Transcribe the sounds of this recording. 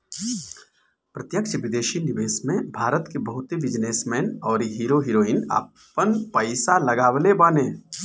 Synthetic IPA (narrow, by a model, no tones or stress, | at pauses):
pɾət̪jəkʃʋɪd̪eːʃinɪʋeːsmẽbʱaːɾət̪kebɐɦʊt̪ɦiʋɪd͡ʒneːsmɛːnɔːɾɦiːɾoɦiːɾoːina̰ːp | ənpəɪsalɐɡaːwəlebaːneː